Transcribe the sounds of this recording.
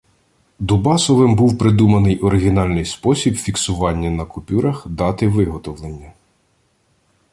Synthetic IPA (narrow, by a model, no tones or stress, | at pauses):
d̪ʊbɑsɔʋɪmbuwpɾɪd̪umɐnɪjʔɔɾɪɦʲinɑlʲnɪjspɔsʲibfʲiksʊʋɑnʲːɐnɐkʊpʲuɾɐxd̪ɑt̪ɪʋɪɦɔt̪ɔʋlˠenʲːɐ